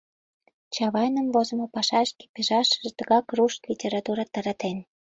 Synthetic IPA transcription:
t͡ɕɑβɑjnəmvozə̆mopɑʃɑʃke̥peʒɑʃəʒt̪ə̆ɣɑkruʃt̪lʲitʲeɾɑt̪uɾɑt̪ɑɾɑt̪en

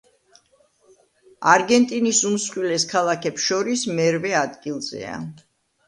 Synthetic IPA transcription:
aɾɡɛnt̪ʼinisumsχwilɛskʰalˠakʰɛpsʃɔɾismɛɾvɛad̪ɡilˠzɛ̰a̰

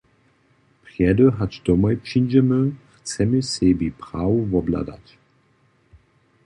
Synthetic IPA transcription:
pʁjɛdəɦat͡ʃd̪ɔmɔjpʃind͡ʒɛməxt͡sɛmisɛbipʁaːwuvɔbla̰d̪a̰t͡ɕ

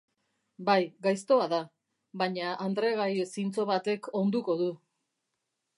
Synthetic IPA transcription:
bajɡajst̪o̞aða | βaɲaʔːnd̪ɾe̞ɣajsint͡so̞βat̪e̞kʰo̞nd̪uko̞ðu

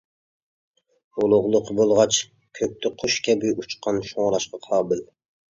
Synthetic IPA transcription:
olˠʊʁlˠʊqbolˠʁɑt͡ʃ | kʲʰøk̚ʲt̪ʰɪqʰʊʃkʲʰɛbyjut͡ʃqʰɑnʃoŋɾˠɑʃqɑqʰɑːbɪl

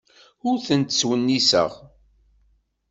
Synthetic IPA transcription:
ʊɾθənt̪əswənːisə̰ʁ

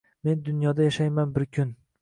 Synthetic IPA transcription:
me̞nd̪ʊnjɒd̪ajaʃajmanbɪɾkʲʰʊn

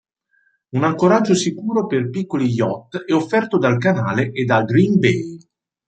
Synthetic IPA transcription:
unaŋkoɾad͡ʒːosikuːɾoperpikːolijɔt̪ːɛofːɛrt̪od̪alkanaːleʔed̪ːalɡɾinbej

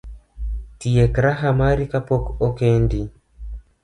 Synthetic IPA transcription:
tiɛkɾaɦamaɾikapɔkɔkendi

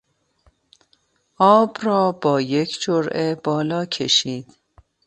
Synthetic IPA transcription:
ʔɒːbɾɒːbɒːje̞cʰd͡ʒoɾʔebɒːlɒːcʰḛʃiːd̪̥

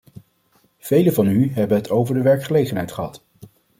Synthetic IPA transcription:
v̥ejləvɑnyɦɛbənɦətʰowvəɹdəʋɛɹkχəlejχənɦɛjtχəɦɑt

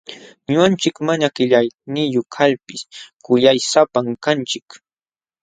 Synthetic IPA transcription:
ɲʊant͡ʃɪkmaɲakɪʎajnɪjokʰaʎpɪskʊʎajsapaŋkant͡ʃɪk

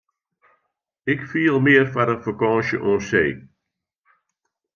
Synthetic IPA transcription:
ɪkfiːəlˠmɪərfadəfəkɔ̃ːnʃəʔoːseː

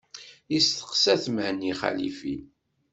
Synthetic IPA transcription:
ist̪ə̥qsæθməhnːiχæ̰lḭfi

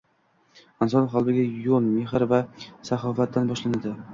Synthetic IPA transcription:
ɪnsɒnχɒlˠb̪ɪɡʲajolmeɦɪɾvasaχɒfat̪ʰːanbɒʃlanad̪ɪ

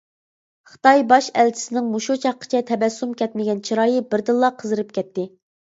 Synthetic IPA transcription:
χə̥t̪ɑjbɑʃɛlt͡ʃʰi̥sɪnɪŋmoʃut͡ʃʰɑqːə̥t͡ʃʰɛt̪ʰɛbɛsːumkʲʰɛt̪̚mɪɡʲɛnt͡ʃʰiɾɑːjɨbɪɾd̪ɨlˠːɑqʰəzɨɾɨp̚kʲʰɛt̪ʰːɪ

